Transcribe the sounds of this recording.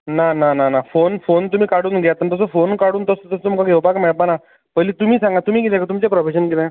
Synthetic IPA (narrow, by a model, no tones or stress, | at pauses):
nanananafonfont̪um̤iːkaɽuːnɡʱɛat̪ːənt̪əs̬əfonkaɽuːnt̪əst̪əsət̪umkaɡʱeʋpakmeɭpana | pəjliːt̪um̤iːsãŋɡat̪um̤iːkit̪ɛ̃kat̪umt͡ɕepɾofeɕənkit̪ɛ̃